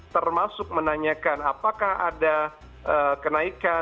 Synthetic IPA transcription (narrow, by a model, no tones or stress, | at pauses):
t̪ərmasʊk̚mənaɲakanapakahada | ʔəkənaika